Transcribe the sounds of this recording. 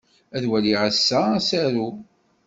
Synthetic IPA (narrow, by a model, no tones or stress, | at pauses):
æðwæliʕəsːæsæɾu